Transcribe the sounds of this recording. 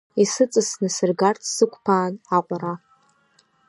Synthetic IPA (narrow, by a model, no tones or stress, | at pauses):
isɨt͡sʼɨsnɨsɨrɡartʰsɨkʷʰʼpʰaːnaqʷʼaɾa